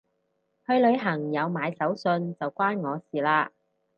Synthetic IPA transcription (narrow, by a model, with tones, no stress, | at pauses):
hɵ˨˧ɥlɵ˨˧ɥɦɐ˨˩ŋjɐ˨˧wmaː˨˧jsɐ˨˥wsɵ˧nt͡sɐ˨wkʷaː˥nŋɔː˨˧siː˨˩laː˧